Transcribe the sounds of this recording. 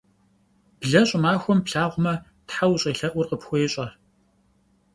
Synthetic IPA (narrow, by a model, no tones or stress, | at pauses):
b̥ɮɐɕʼʊmaːxʷɔmpɬaːʁʷʊmɐ | tħawɕʼiːɬɐʔʷʊrqəpxʷɔjɕʼɐ